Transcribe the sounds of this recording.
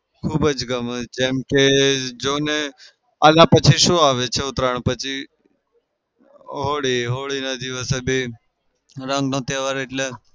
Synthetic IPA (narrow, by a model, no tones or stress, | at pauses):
kʰuːbəd͡ʒɡəmd͡ʒẽːmked͡ʒoːne | əlaːpət͡ʃʰiʃoːaːʋet͡ʃʰeʊt̪ɾəɳ̃pət͡ʃʰi | ɦoːɽiːɦoːɽiːnəd̪iʋəsebʱiː | ɾəŋɡnõːt̪jeːʋaɾeʈle